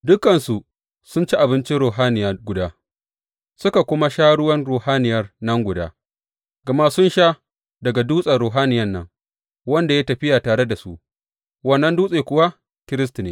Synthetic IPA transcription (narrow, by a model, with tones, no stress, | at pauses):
dʊ˦kɐ˨nsu˨ | sʊ˦nt͡ʃi˦ʔa˨bɪ˦nt͡ʃi˦ɾoː˨ɦaː˦nɪ˨ja˦˨ɡʷʊ˨daː˦ | sʊ˦ka˨kʷʊ˦ma˦ʃaː˦ɽʊ˦wɐ˦nɽuː˨haː˦nɪ˨jɐ˦rnɐ˦ŋɡʷʊ˨da̰ː˦ | ɡ̥ɐ˨ma˦sʊ˦nʃaː˦ | dɐ˨ɡa˨duː˦sʼɐ˨ɽoː˨ɦaː˦nɪ˨jɐ˦nːɐ˦ŋ | wɐ˦nda˨jaː˦tɐ˨ɸɪ˦ja˨taː˨ɽe˦da˨su˦ʔ | wɐ˦˨nːɐ˦nduː˦sʼeː˨kʷʊ˨wa˦ | kʲɪ˦ɾɪ˦s̬ti˨neː˨